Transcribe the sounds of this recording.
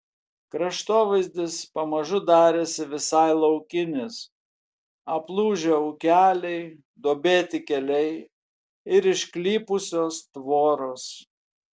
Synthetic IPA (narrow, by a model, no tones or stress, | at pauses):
kɾɐʃt̪oːʋɐɪzʲd̪ʲɪspɐmɐʒʊd̪ɑːɾʲeːsʲɪʋʲɪsɑɪlˠɐʊkʲɪnʲɪs | ɐplˠuːʒʲeːɔʊkʲæːlʲɛɪ | d̪oːbʲeːt̪ʲɪkʲɛlʲɛɪ | ɪɾɪʃʲklʲiːpʊsʲoːst̪ʋoːɾoːs